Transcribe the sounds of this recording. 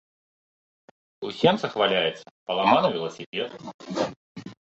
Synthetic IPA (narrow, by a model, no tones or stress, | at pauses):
usʲɛmt̪ɐxvalʲajɛt̪sːɐ̥pɐlˠamanɐvʲilˠɐsʲipʲet̪